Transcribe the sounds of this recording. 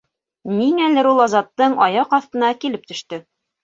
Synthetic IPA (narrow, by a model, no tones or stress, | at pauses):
niŋælɘɾulˠɑzɑt̪ːɤɴɑjɑqɑθt̪ɤ̆nɑkilɘp̚t̪ɵ̆ʃt̪ɵ